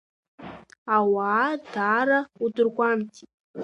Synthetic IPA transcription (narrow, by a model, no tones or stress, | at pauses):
awaːdaːɾaudɨrɡʷamtʰʼitʼ